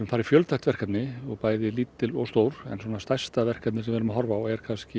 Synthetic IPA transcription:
ɾʏmfaːɾɪfjœlt̪ʰahkt̪vɛr̥kat̪nɪɔɣpaːjðɪliːt̪ːɪlɔɣst̪oːwɾɛ̰nswɔnast̪ajst̪avɛr̥kat̪nɪsɛmvɛɾʏmaɦɔɾvawɛɾ̥kʰanscɪ

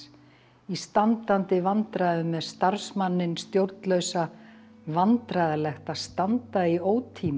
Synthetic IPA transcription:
ist̪ant̪ant̪ɪvant̪ɾaːðʏmɛðst̪aɾsmanːɪnst̪jowɾt̪lœɥsa | vant̪ɾaːðalɛxt̪aðst̪ant̪aioːwt̪ʰiːm

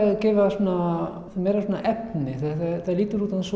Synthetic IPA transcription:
cɛːvasuːna | θamɛːɾasuːnaʔɛpnɪθaθaθaðliːt̪ʏɾuːt̪ans

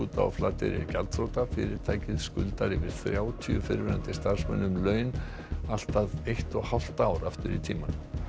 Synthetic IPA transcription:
uːt̪a̰a̰flaːt̪ɪ̰ɾɪ̰ɾcalt̪fɾowt̪afɪ̰ːɾɪɾ̥t̪ʰaːjcɪðskʏlt̪aɾɪvɪɾ̥θɾjaːwt̪ʰiʏfɪɾvɪɾant̪ɪst̪ar̥smɛ̰nːʏmlœːɥn | al̥t̪aðejht̪ɔɣhawl̥t̪aːwɾaft̪ɪɾit̪ʰiːman

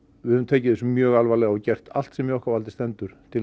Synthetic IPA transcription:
vɪhʏvmnt̪ʰeːjcɪðɛsʏmjœːɣalvaːlɛɣaɔcɛr̥t̪a̰l̥t̪sɛmjɛɔhkavalt̪ɪ̥st̪ɛnt̪ʏɾ̥t̪ʰɪl

